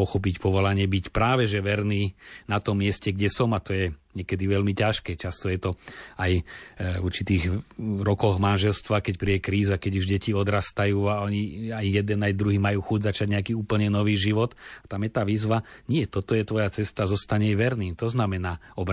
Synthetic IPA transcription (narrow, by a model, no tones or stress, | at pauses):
ɔxɔp̬icpɔʋɔlaɲɪɛbicpɾaːʋɛʒɛʋɛɾniːnat̪ɔmːɪɛscɛɡɟɛsɔmat̪ɔjɛɲɪɛkɛd̪iʋɛlmicaʃkɛːt͡ʃast̪ɔjɛt̪ɔajuɾt͡ʃit̪iːɣɾɔkɔɣmanʒɛlst̪ʋakɛcpɾiɛkɾiːzakɛɟuʒɟɛciɔd̪ɾast̪ajuːaɔɲiajjɛd̪ɛnajd̪ɾuɦiːmajuːxuɟzat͡ʃaɟɲɛakiːuːpl̩ɲɛnɔʋiːʒiʋɔt̪at̪amjɛt̪aːʋiːzʋaɲɪɛt̪ɔt̪ɔjɛt̪ʋɔjat͡sɛst̪azɔst̪aɲɛjʋɛɾniːmt̪ɔznamɛnaːɔb